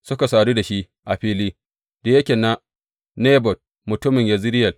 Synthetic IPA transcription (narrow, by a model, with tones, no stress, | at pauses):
sʊ˦ka˨saː˨ɽi˦da˨ʃi˦ʔ | ʔa˨ɸiː˦liː˦ | d̥a˨je˦kʲeː˨na˦ | neː˦bɔ˨t̚ | mʊ˨tʊ˦mɪ˨ɲja˦zɪ˦ɾɪ˦jɐ˨l